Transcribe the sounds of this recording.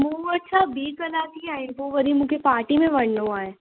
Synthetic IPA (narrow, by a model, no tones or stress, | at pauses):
mũɐtːʃʰabiːkɐlaːt̪iaːĩnpoʋɐɾimũkepaːɾʈimẽʋɐɳnõaːẽː